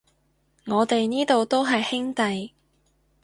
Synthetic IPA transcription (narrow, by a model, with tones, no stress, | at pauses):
ŋɔː˨˧t̪e˨jniː˥t̪o˨˧wt̪o˥wɦɐ˨jhɪ˥ŋt̪ɐ˨j